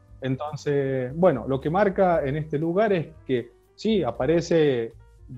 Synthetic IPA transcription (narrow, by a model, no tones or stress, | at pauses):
ent̪o̞nsebwe̞no̞̰lo̞kemaɾkaenest̪eluɣaɾeske | siapaɾese